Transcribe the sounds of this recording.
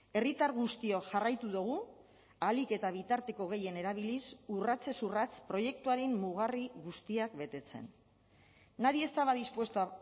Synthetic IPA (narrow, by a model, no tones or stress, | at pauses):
e̞rit̪aɾɣust̪io̞ʝarajt̪uðuɣ̞u | alike̞t̪aβ̞it̪aɾt̪e̞ko̞ɣ̞e̞je̞ne̞ɾaβ̞ilisurat͡se̞surat͡spɾo̞je̞k̚t̪uaɾemːuɣ̞ariɣust̪iakbe̞t̪e̞t͡se̞̰nː | aɾie̞st̪aβaðispwe̞st̪ua